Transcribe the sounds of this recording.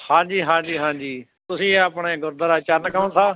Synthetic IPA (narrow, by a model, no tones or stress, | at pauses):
hãːd͡ʒiːɦãːd͡ʒiːɦãːd͡ʒiː | t̪ʊsĩːeəpɳeːɡʊɾd̪əɾaːt͡ʃəɾnkə̃t̪ʰaː